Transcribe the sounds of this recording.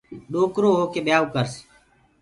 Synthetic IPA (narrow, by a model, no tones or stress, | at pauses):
ɗoːkɾoːɦoːkeːɓjaːukəɾs